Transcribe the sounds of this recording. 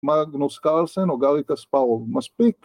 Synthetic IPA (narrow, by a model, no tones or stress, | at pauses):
maɡnoskalsenoɡaɾikaspaomaspik